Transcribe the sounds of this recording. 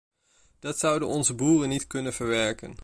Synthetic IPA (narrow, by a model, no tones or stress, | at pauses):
d̥ɑtsʌwdənɔnzəbuːrənːitkɵnənv̥əɹʋɛɹkə̰n